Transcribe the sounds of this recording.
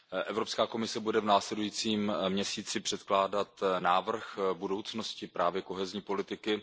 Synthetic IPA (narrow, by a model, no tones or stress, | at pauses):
ʔɛvɾopskaːko̞mɪsɛbudɛvnaːslɛdujiːt͡siːmmɲɛsiːt͡sɪpr̥ɛt̪klaːdat̪naːvr̩xbudo̞wt͡sno̞scɪpɾaːvjɛko̞ɦɛzɲiːpo̞lɪt̪ɪkɪ